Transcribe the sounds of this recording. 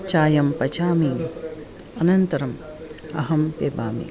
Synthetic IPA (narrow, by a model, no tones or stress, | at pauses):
t͡ʃaːjɐmpɐt͡ʃaːmiːm | ɐnɐnt̪ɐɾɐm | ɐ̰ɦɐmpeːba̰ːmḭ